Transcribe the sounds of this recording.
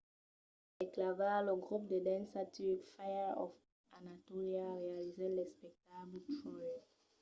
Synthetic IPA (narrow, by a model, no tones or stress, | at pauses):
ɛklavaloɡʁup̚d̪ədɛ̃nsatiikfajəɔ̰f | anatɔʁiaʁealizɛ̃lɛspɛk̚tabtʁɔjɛ